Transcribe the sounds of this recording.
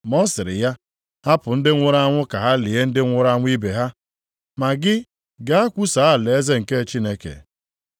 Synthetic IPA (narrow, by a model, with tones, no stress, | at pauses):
mɔ˦sɪ˨ɾɪ̰˨ja˦ | ha˦pʊ˨n̩˦dɪ˦ŋʷʊ˦ɾa˦ŋʷʊ˦ka˨ɦa˦li˨e˦n̩˦dɪ˦ŋʷʊ˦ɾa˦ŋʷ˦i˦be˨ɦa˦ | ma˨ɡɪ˦ | ɡa˦a˦kʷu˦sa˨˦˨le˨e˦ze˦ŋ̩˨ke˦˨t͡ʃi˦ne˦kḛ˨